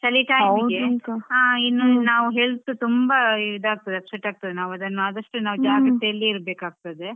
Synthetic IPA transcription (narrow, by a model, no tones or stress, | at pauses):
sɐliʈaːiɡed̪aːinːunaːʋuɦe̞ːɭt̪ːut̪umbɐiʋid̪ʱaːɡ̚t̪ɐd̪eɐpseʈaːɡ̚t̪ɐd̪enaːʋɐd̪ɐnːuaːd̪ɐʂʈunaːʋd͡ʒaːɡɐt̪ːejɐlːiiɾbeːkaːɡ̚t̪ɐd̪e̞